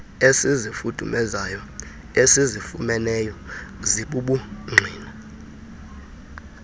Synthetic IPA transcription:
esizifud̥ʱumɛzajɔ | esizifumɛnɛjɔziɓuɓuŋ͡ǀʱiːna

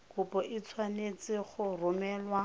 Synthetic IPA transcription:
kʊpʼɔʔɪt͡sʰwanet͡sɪχʊrʊmɛːlwa

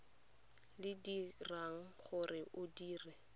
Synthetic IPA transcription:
lɪdiraŋ̩χʊrɪʔʊdiːrɪ

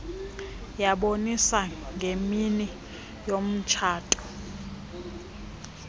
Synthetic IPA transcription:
jaɓonisaŋɡʱemini | jom̩t͡ʃʰaːtʼɔ̥

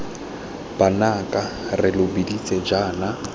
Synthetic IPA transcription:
b̥anakʼarɪlʊbidit͡sʼɛd͡ʒaːna

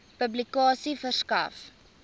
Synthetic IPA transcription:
pəblikɑːsifərskɐ̰f

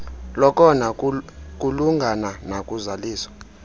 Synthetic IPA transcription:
lɔkʼɔnak̬ʼuluŋɡʱananakʼuzaliːswḁ

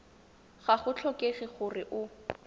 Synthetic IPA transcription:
χaχʊt͡ɬʰɔkeχiχʊrɪʔʊ

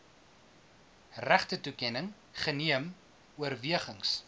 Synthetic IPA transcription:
ræχtətukɛnəŋ | χəniəm | uərviəχəŋs

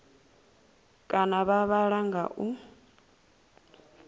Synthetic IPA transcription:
kʼanaβaβaɺaŋɡa̰ʔu

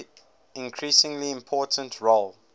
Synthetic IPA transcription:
ɪ̃nkʰɹisɪ̃ŋliɪ̃mpʰɔˑtʰə̃ntʰɹol

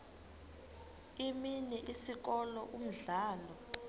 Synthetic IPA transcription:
iminɛʔisik̬ɔlɔʔum̩ɮaːlɔ

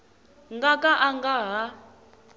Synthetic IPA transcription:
ŋɡakʼaʔaŋɡaɦa

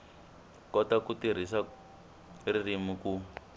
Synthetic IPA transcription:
kɔtakutiɾ̤isa | ririmuku

